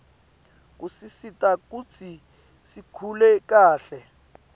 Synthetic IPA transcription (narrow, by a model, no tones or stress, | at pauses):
k̬ʼusisitʼakut͡sʰi | sikʰulɛkaːɬɛ